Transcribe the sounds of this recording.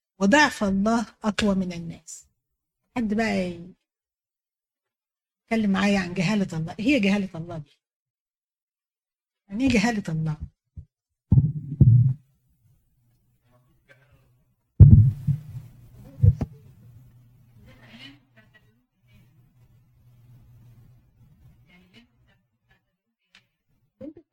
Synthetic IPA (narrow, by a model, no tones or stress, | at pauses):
wed̪ˤɑʕfɑlˤːɑːhʔɑkwɑmɪnænːæːs | ħad̪ːbæʔæ | et̪̚kælːemːaʕaːjæʕanɡæɦæːlæt̪ɑlˤːɑːʔhejːæɡæhæːlæt̪ʔɑlˤːɑːd̪iː | jaʕniːɡæɦæːlæt̪ɑlˤːɑː